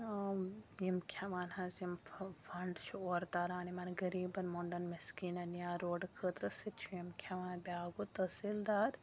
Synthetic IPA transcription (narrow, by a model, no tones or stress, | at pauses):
jimkʲʰaʋaːnhɐzimfɐɳɖt͡ʃʰuoːɾt̪aːɾaːnimɐːnɡɐɾiːbɐnmoːɳɖɐnmɐskiːnɐnjaːɾoːɖkʰəːt̪ɾɐsit̪t͡ʃʰujimkʰʲaʋaːnbʲaːɡut̪ɐsild̪aːɾ